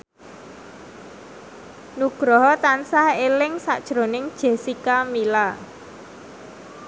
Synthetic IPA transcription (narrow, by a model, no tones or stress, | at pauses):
nuɡ̥ɾɔɦɔt̪ansahelɪŋsaʔd̥ʒ̥ɾonɪŋd̥ʒ̥e̤sikamila